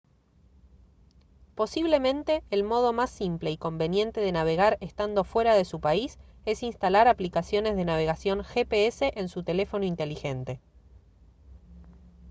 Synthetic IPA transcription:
po̞siβle̞mẽ̞nt̪e̞ːlmo̞ð̞o̞masːimple̞iko̞mbe̞nje̞nt̪e̞ðe̞naβ̞e̞ɣaɾest̪and̪o̞fwe̞ɾaðe̞supaise̞sinst̪alaɾaplikasjo̞ne̞zðe̞naβ̞e̞ɣasjo̞ŋxepeese̞ʔensut̪e̞le̞fo̞noint̪e̞lixe̞nt̪e̞

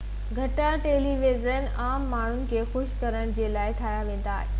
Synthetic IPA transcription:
ɡʱɐʈaʈeːliʋezən | aːmːaːɳ̤ʊnɪ̆kʰeːxʊʃkɐɾəɽ̃̆d͡ʑeːlaːɪʈʰaːjaʋẽːn̆d̪aːɦeː

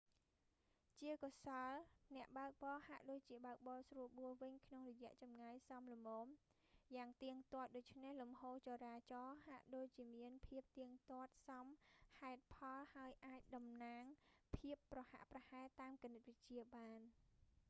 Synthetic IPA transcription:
t͡ɕiəkɑsɑlnɛ̆əʔɓaək̚ɓɑːhaʔɗoːc̚t͡ɕiəɓaək̚ɓɑːsruəɓuəʋɨɲkʰnoŋrɔjɛ̆əʔt͡ɕɑmŋajsɑmlomɔːm | jaːŋt̪iəŋt̪ŏət̪̚ɗoːc̚t͡ɕʰnehlumhoːt͡ɕoɾaːt͡ɕɑːhaʔɗoːc̚t͡ɕiəmiənpʰiəp̚t̪iəŋt̪ŏət̪̚sɑmhaɛt̪̚pʰɑlhaəjʔaːc̚ɗɑmnaːŋpʰiəpːrɑha̰ʔprɑhaɛt̪aːmkinət̪̚ʋɨc̚t͡ɕiəɓaːn

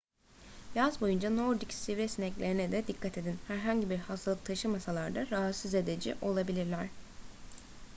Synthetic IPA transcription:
jazbo̞jund͡ʒano̞ɾd̪icsivɾɛsinɛclʲe̞ɾinɛd̪ɛd̪ikʰːat̪ʰe̞d̪inhæɾɦaɲɟibiɾhast̪ʰalˠɯk̚t̪ʰaʃɯmasalˠaɾd̪aɾaɦat̪size̞d̪ed͡ʒḭʔo̞lˠabilʲiɾlʲæɾ̥

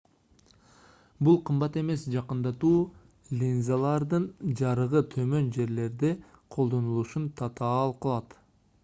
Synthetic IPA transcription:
bulˠqʰɯmbɑt̪e̞me̞sd͡ʒɑqɯnd̪ɑt̪uː | lʲinzalˠɑɾd̪ɯnd͡ʒɑɾɯʁɯt̪ʰø̞mø̞nd͡ʒe̞ɾle̞ɾd̪e | qʰo̞lˠd̪o̞nulˠuʃunt̪ʰɑt̪ɑːlˠqʰɯlˠɑt̪

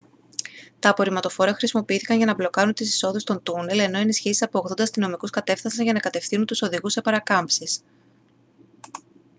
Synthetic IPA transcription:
t̪ɐːpo̞ɾimɐt̪o̞fo̞ɾɐxɾisimo̞piiθi̥kɐnʝɐnɐblo̞kɐɾunt̪isi̥so̞ðust̪o̞nt̪une̞le̞no̞enisçisi̥sɐpo̞ːɣðo̞nd̪ɐst̪ino̞mikuskɐt̪e̞fθɐsɐŋʝɐnɐkɐt̪e̞fθinunt̪uso̞ðiɣusːe̞pɐɾɐkɐmpsis

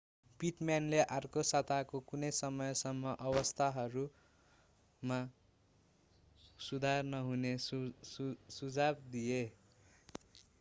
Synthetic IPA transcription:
piʈmjanleʔarkosat̪akokunʌjsʌmʌjsʌmːʌʔʌbʌst̪ʰaɦʌɾu | ma | sud̪ʱarnʌɦune | sud͡zabd̪ije

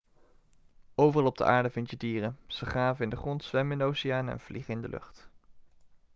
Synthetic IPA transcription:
owvərɑlˠɔb̚də̰ʔaːɹdəvɪntjədiːrəz̥əχaːvəɪndəχrɔntsʋɛmɪnowsɪjaːnɛ̰nv̥liχəɪndə̰lʔɵ̰χt

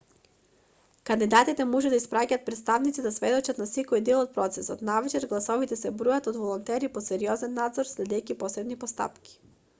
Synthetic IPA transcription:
kand̪id̪at̪it̪ɛmɔʒɛd̪aispɾacat̪̚pɾɛt̪st̪avnit̪id̪asvɛd̪ot͡ʃat̪nasɛkojd̪ɛlˠot̪̚pɾɔt̪sɛsot̪navɛt͡ʃɛɾɡlˠasɔvit̪ɛsɛbɾujat̪od̪volˠɔnt̪ɛɾiposɛɾiɔzɛnːad̪zoɾslɛd̪ɛjkʲipɔsɛd̪nipost̪a̰pkʲi̥

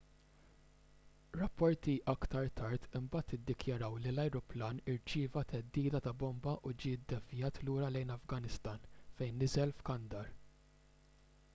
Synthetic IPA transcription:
ɾɐpːɔɾt̪iʔɐkt̪ɐɾt̪ɐɾt̪ɪmbɐːt̪ːɪd̪ːɪkjɐɾɐwlilɐjɾʊplɐːnɪɾt͡ʃɪːvɐt̪ʰɛd̪ːiːd̪ɐt̪ɐbɔmbɐʔud͡ʒiːd̪ːɛfjɐːt̪luːɾɐlɛjnɐfɡɐnɪst̪ɐːnfɛjnːɪzɛlfkɐnd̪ɐɾ

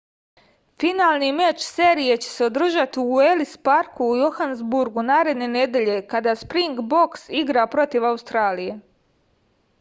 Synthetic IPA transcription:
finaːlˠnimet͡ʃseɾije̞t͡ɕe̞̥se̞o̞d̪r̩ʒat̪iuelispaɾkuːjo̞xanzbuɾɡunaːɾe̞d̪ne̞ne̞d̪e̞ʎe̞kad̪aːspɾiŋɡbo̞ksiɡɾapɾo̞t̪iʋaust̪ɾaːlije

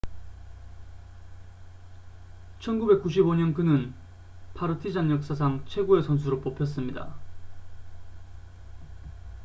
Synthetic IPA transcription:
t͡ɕʰʌnɡube̞k͈uɕ̬ʰiboɲʌnkɯnɯn | pʰaɾɯtʰid͡ʑanjʌk̚s͈as̬ʰaŋt͡ɕʰwe̞ɡue̞sʰʌns̬ʰuɾop͈opʰjʌs͈ɯmɲida̰

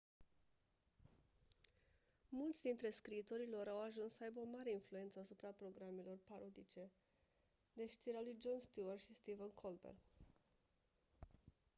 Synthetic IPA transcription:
mult̪sʲd̪int̪ɾe̞skɾiːt̪o̞ɾilo̞ɾawaʒunssəajbeomaɾe̞influe̞nt̪səasupɾapɾo̞ɡɾame̞lo̞rpaɾo̞d̪it͡ʃe̞ | d̪e̞ʃt̪iɾealujd͡ʒo̞nst̪juərʃist̪ivənkʰolbḛr

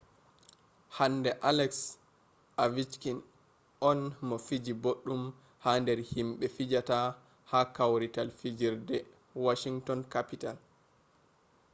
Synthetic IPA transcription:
handɛʔalɛks | avit͡ʃkin | ʔɔnmɔfid͡ʒiboɗːum | handɛɾhimɓɛfid͡ʒata | hakawɾitalfid͡ʒiɾdɛ | waʃiŋtɔnkapital

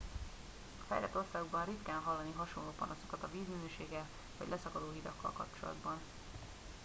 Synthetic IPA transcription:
ɒfɛ̰jlɛt̪ːo̞rsaːɡoɡbɒnrit̪kaːnɦɒlːɒniɦɒʃo̞nloːpɒnosokɒt̪ɒviːzminøːʃeːɡɛl | vɒ̰ɟlʔɛsɒkɒd̪oːɦid̪ɒkːɒ̰lkɒpt͡ʃo̞lɒ̰d̪bɒn

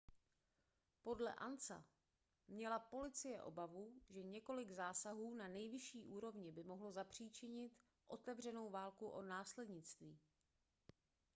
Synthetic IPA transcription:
po̞dlɛ̰ʔa̰nt͡sa̰ | mɲɛlapo̞lɪt͡sɪjɛʔo̞̰bavuʒɛɲɛko̞lɪɡzaːsaɦuːnanɛjvɪʃiːʔuːɾo̞vɲɪbɪmo̞ɦlo̞zapr̝̥iːt͡ʃɪɲɪt̪ | ʔo̞t̪ɛvr̝ɛno̞wvaːlkuʔo̞naːslɛdɲɪt͡st̪viː

